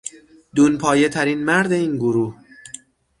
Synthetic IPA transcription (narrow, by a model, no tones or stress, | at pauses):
d̪uːnpʰɒːjet̪ʰæɾiːnmæɾd̪e̞iːnɡoɾuːh